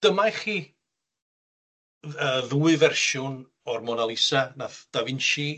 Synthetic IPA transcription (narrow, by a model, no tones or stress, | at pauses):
d̥əmajχiː | əðuːɨvɛrʃʊn | ɔrmɔnalˠɪsanaθd̥avɪnʃi